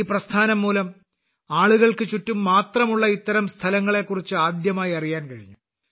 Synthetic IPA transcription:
iːprɐst̪ʰaːnɐmːuːlɐm | aːɭuɣɐɭkɨt͡ɕutːumːaːt̪rɐmuɭːɐit̪ːɐɾɐmst̪ʰɐlɐŋːɐɭe̞kːurit͡ɕːɨaːd̪jɐmaːjiɐrijaːnkɐɻiɲːu

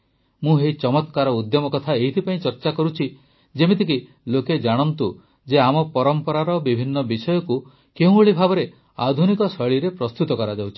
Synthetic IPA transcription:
mũɦeit͡ʃɔmɔt̪kaɾɔud̪jɔmɔkɔt̪ʰaeɦit̪ʰipaĩt͡ʃɔɾt͡ʃakɔɾut͡ʃʰi | d͡ʒemit̪ʰik̬i | loked͡ʒaɽ̃ɔnt̪u | d͡ʒeamɔpɔɾɔmpɔɾaɾɔbibʱinːɔbisɔjɔku | keũoɭibʱabɔɾe | a̰d̪ʱunikɔsɔɭiɾepɾɔst̪ut̪ɔkɔɾad͡ʒawt͡ʃʰi̥

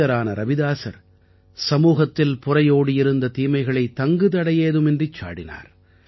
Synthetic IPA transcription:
ɐɾaːnɐɾɐʋɪðaːsɐ̰ɾ | sɐmuːɣɐt̪ːɪlpʊrɐjoːɽɯjɪɾɯnd̪ɐt̪iːmɐɪɣɐɭɐɪt̪ːɐŋɡɯt̪ɐɽɐjeːðɯmɪndrit͡ʃːa̰ːɽɪna̰ːɾ

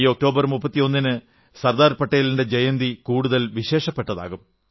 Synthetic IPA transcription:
io̞k̚ʈo̞ːbɐrmupːɐt̪ːijo̞nːinɨ | sɐrd̪aːɾpɐʈːɐjɐlinde̞d͡ʑejɐnd̪ikuːɽuðɐlʋiɕe̞ːʂɐpːeʈːɐða̰ːɣum

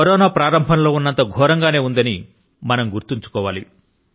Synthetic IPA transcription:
ɐɾɔːnaːpɾaːɾɐmbʱɐnlo̞ːunːɐnt̪ɐɡʱɔːɾɐŋɡaːne̞ːund̪ɐni | mɐnɐmɡuɾt̪iɲt͡ʃu̥kɔːʋaːli

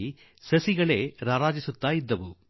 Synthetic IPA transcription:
i | sɐsiɡɐɭeːɾaːɾaːd͡ʒisut̪ːaːjid̪ːɐʋu

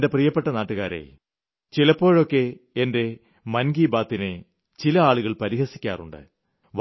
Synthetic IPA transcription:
ndeprijɐpːe̞ʈːɐnaːʈːuɣaːɾḛ | t͡ɕilɐpːo̞ːɻo̞kːe̞ | ende̞ | mɐnɡiːbaːt̪ːine | t͡ɕilɐaːɭuɣɐɭpɐɾiɦɐsi̥kʲːa̰ːrṵɳɖɨ̰ | ʋ

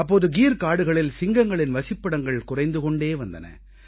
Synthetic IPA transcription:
ɐpːoːðɯɡiːɾkaːɽɯɣɐɭɪlsɪŋɡɐŋɡɐɭɪnʋɐsɪpːɐɽɐŋɡɐɭkʊrɐɪnd̪ɯkɔɳɖeːʋɐnd̪ɐ̰nɐ̰

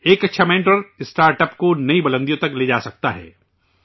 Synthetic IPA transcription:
eːkɐtːʃʰamẽːɳʈɾəɾɪsʈaːɾʈəpkonɐibɐlə̃nd̪ijõt̪ɐkleːd͡ʒaːsɐk̚t̪aɦɛ̰ː

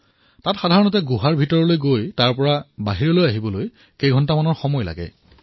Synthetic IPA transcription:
tatxadʱaɹɔnɔtɛɡuɦaɹbʱitɔɹɔlojɡojtaɹpɔɹabaɦiɹɔlojaɦibɔloj | kejɡʱɔntamanɔɹxɔmɔjla̰ɡɛ̰

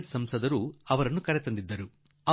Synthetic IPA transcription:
ʈsɐmsɐd̪ɐɾuɐʋɐɾɐnukɐɾɛt̪ɐnd̪id̪ːɐɾu | ɐ

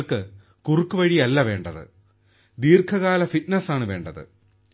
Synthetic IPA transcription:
ɭkɨ | kurukːɨʋɐɻijɐlːɐʋe̞ːɳɖɐðɨ̰ | d̪iːrkʰɐɣaːlɐfitnɐsaːɳɨʋe̞ːɳɖɐðɨ̰

